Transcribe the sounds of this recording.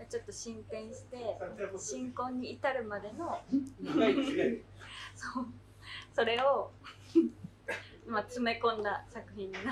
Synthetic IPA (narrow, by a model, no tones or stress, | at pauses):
jat͡ɕo̞t̪ːo̞ɕĩmpẽ̞ɰ̃ɕi̥t̪e̞ɕĩŋkõ̞ɲ̟ːiːt̪aɾɯ̟mad̪e̞no̞ | soː | so̞ɾe̞o | mat͡sɨme̞kõ̞nːasakɯ̟çĩnd̪ana